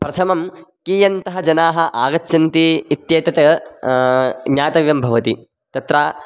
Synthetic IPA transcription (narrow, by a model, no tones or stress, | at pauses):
pɾɐt̪ʰɐmɐmkijɐnt̪ɐɦɐd͡ʒɐnaːɦɐ̆ʔaːɡɐt͡ʃːʃɐnt̪iːt̪jeːt̪ɐt̪ɐ | ɲjaːt̪ɐʋjɐmbʱɐʋɐt̪i | t̪ɐt̪ɾaː